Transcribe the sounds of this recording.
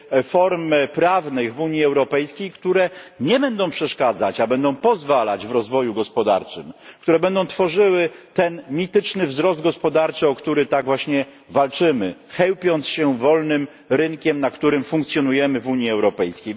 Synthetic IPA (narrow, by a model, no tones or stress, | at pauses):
fɔɾmpɾavnɘɣvuɲiɛwɾɔpɛjskʲejkt̪uɾɛɲɛbɛnd̪ɔ̃w̃pʂɛʂkad̪zat͡ɕabɛnd̪ɔ̃w̃pɔzvala̰d͡ʑvɾɔzvɔjuɡɔspɔd̪a̰ɾt͡ʂɘ̰mkt̪uɾɛbɛnd̪ɔ̃w̃t̪fɔʐɘwɘt̪ɛnmʲit̪ɘt͡ʂnɘvzɾɔzd̪ɡɔspɔd̪aɾt͡ʂɘɔkt̪uɾɘt̪aɡvwaɕɲɛ | valt͡ʂɘmɘxɛwpʲjɔnt̪sɕɛvɔlnɘm | ɾɘŋkʲɛmnakt̪uɾɘmfuŋkt̪sʲjɔnujɛmɘvuɲjiɛwɾɔpɛjskʲej